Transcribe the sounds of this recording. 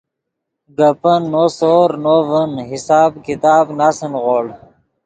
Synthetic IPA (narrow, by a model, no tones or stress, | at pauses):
ɡəpənːosoːɾnovənɦisaːbkit̪aːbnaːsənʁoːɽ